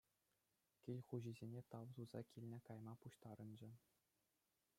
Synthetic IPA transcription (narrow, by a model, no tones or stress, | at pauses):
kʲilʲχuʑizʲenʲet̪ɑʋzuzɑ̰kʲilʲnʲɘ̆kɑjmɑpuɕt̪ɑɾɤ̆nd͡ʑɘ̆